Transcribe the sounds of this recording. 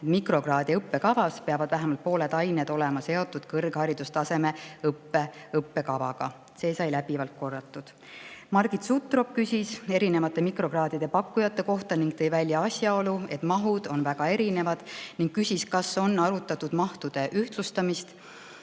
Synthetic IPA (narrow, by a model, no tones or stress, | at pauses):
et̪mikro̞ɡrɑːd̪̥ʲiɤpːe̞kɑvɑspeɑvɑd̪̥væɦæmɑlt̪̚po̞ːle̞d̪ɑjned̪̥o̞le̞mɑse̞o̞t̪ːˑud̪̥kɤrɡ̥hɑɾid̪̥ust̪ɑse̞me̞ɤpːe̞ɤpːe̞kɑvɑɡ̥ɑ | se̞ːsɑjlæb̥ivɑlt̪̚ko̞rːɑt̪ːˑud̪̥ | mɑrɡ̥it̪sut̪ːˑro̞k̚kysʲise̞ɾine̞vɑt̪ːˑe̞mikro̞ɡrɑːd̪id̪̥e̞pɑkːujɑt̪ːˑe̞ko̞ht̪ɑniŋɡt̪ejvælʲjɑɑsʲjɑo̞lue̞t̪mɑɦud̪̥o̞nvæɡ̥ɑe̞ɾine̞vɑd̪̥niŋɡ̥kysʲiskɑso̞nːɑɾut̪ːˑɑt̪ːud̪̥mɑht̪ud̪̥e̞ʔyht̪lust̪ɑmist̪